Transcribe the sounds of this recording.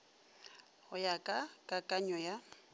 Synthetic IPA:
hʊjakʼakʼakʼaɲɔja

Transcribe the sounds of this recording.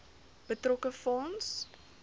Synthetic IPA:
b̥ətrɔkəfɔns

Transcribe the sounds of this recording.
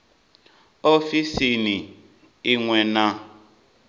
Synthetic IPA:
ofisini | iŋwɛna

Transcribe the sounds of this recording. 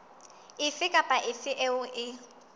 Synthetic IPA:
ɪfɪkʼapʼaʔɪfɪʔɛʊʔɪ

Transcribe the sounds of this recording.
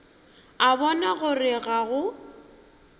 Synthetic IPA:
abɔnaɣʊrɪɣaɣʊ

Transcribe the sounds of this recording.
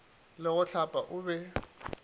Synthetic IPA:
lɪɣʊɬapʼaʔʊbɛ

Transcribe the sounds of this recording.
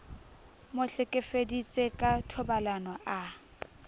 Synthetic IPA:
mʊɬɪkʼefedit͡sʼekʼatʰɔbalanɔʔa

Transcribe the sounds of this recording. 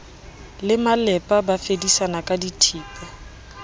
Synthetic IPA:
lɪmalɛpʼabafedisanakʼaditʰiːpʼɛ

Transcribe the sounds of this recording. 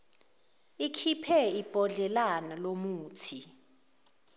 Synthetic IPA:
ikʰipʰɛib̥ʱɔɮɛlanalomuːtʰi

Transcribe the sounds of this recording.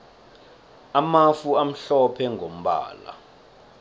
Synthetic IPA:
amafuam̩ɬɔpʰɛŋʱom̩ɓa̰ːla̰

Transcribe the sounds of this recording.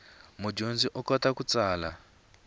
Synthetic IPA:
mud͡ʒond͡ziʔɔkɔtakut͡saːla

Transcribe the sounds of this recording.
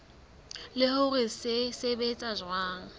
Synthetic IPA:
lɪhʊrɪsɪsebet͡sʼaʒwaːŋ̩

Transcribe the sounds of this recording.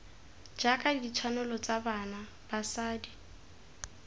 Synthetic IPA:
d͡ʒakʼadit͡ʃʰanʊlɔt͡sʼabana | b̥asaːdi

